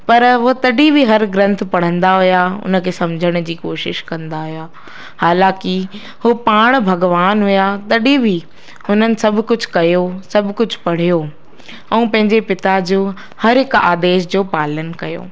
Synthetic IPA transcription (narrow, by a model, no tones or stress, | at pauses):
pɐɾɦot̪ɐɗĩbʱiɦɐɾɡɾɐ̃nt̪̆ʰpɐɽ̤ə̃nd̪aɦʊjaʊ̰nə̆kʰeːsɐ̃md͡ʑʱəɽ̃d͡ʑiːkoːʃɪʃkɐ̃nd̪aɦʊjaː | haːlãːkɪ | hʊpaːɽ̃bʱɐɡʋaːnɦʊjat̪ɐɗibʱi | ʊn̤ənɪ̆sɐbʱkʊd͡ʑʱkɐjosɐbʱkʊd͡ʑʱpɐɽ̤ijoː | ɛ̃ũpɐ̃ɦɪ̃ɲd͡ʑepɪt̪ad͡ʑoː | hɐɾɦɪka̰ːd̪eːʃd͡ʑoːpaːlənkɐjo̰ː